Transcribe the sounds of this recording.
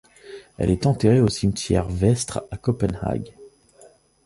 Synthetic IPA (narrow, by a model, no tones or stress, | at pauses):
ɛ̰lɛt̪ɑ̃t̪eʁeosimt̪jɛ̰ʁvɛst̪χakɔpɛnha̰ɡ